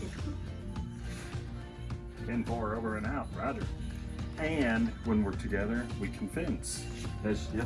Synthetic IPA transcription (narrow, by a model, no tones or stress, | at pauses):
ɪ̃nfɑɹoʊvə˞ɨ̃naʊt̚ɹæðə˞ | ɨ̃nwə̃nwəɹtʰɨɡɛðə˞wikʰɱvɪ̃ns | ɨz